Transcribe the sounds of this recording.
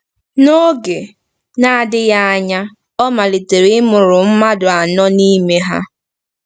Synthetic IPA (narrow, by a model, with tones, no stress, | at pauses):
no˦ɡe˨ | na˦˨dɪ˦ja˦a˦ɲa˦ | ɔ˦ma˨li˨te˨ɾi˦ɪ˦mʊ˨ɾʊ˨m̩˦ma˦dʊ˨a˨nɔ˦ni˦me˦ɦa̰˦